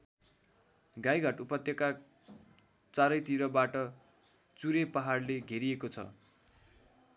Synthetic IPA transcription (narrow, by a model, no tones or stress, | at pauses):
ɡajɡʱʌʈupʌt̪jʌka | t͡saɾʌjt̪iɾʌbaʈʌ | t͡suɾepʌɦarleɡʱeɾiekot͡sʰʌ̰